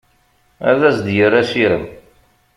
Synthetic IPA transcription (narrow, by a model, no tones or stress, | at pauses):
æ̰ðæsd̪jəɾːæsiɾə̰m